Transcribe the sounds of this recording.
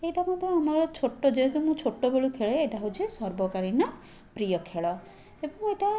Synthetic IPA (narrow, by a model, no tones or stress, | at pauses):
eʈamɔd̪ʱeamaɾɔt͡ʃʰoʈːod͡ʒeɦt̪umũt͡ʃʰoʈːobeɭukʰeɭeːʈaɦut͡ʃʰiesɔɾbɔkaɾinɔ | pɾijɔkʰeɭɔ | ebɔŋeʈa